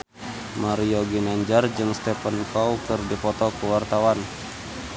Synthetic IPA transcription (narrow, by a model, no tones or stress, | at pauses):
maɾioɡinaɲd͡ʒard͡ʒɨŋst̪ɛpankawkɨrdipɔt̪ɔkuwart̪awan